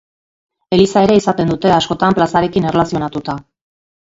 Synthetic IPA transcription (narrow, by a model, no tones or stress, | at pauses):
e̞lisae̞ɾe̞isat̪e̞nd̪ut̪e̞asko̞t̪amplasaɾe̞kinerlasio̞nat̪ut̪a